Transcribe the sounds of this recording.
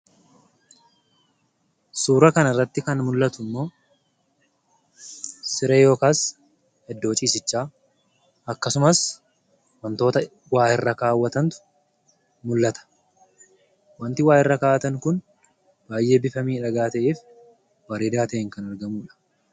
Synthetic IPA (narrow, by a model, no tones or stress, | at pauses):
suːɾɐkɐnɐrːɐt̪ːɪkɐnmʊlːɐt̪ʊɪmːo̞ː | sɪɾe̞ːjo̞ːkaːs | hɛd̪ːo̞ːt͡ʃʼiːsɪt͡ʃːaː | ɐkːɐsʊmɐs | wɐnt̪o̞ːt̪ɐ | waːhɪrːɐkaːwːɐt̪ɐnt̪ʊ̥ | mʊlːɐt̪ɐ̥ | wɐnt̪ɪwaːhɪrːɐkaːwɐt̪ɐŋkʊn | b̥aːjʔe̞ːbɪfɐmiːᶑɐɡaːt̪ɐʔeːf | wɐɾeːd̪aːt̪ɐʔɪŋkɐnɐɾɡɐmuːᶑɐ̥